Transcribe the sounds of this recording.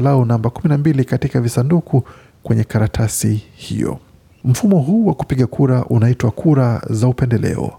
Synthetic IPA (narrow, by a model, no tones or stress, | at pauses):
launambakuminambilikatikavisandukʰu | kwɛɲɛkaɾatʰasihḭjɔ̰ | m̩fumɔɦuːwaku̥piɠakʰuɾaʔunaitwakʰuɾazaupɛndɛlɛ̰ɔ̰